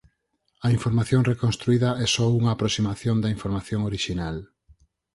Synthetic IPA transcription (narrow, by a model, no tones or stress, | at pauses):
ɐiɱfoɾmaθjoŋrekonst̪ɾuiðɐɛsɔuŋɐːpɾosimaθjond̪ɐĩɱfoɾmaθjoŋoɾiʃinal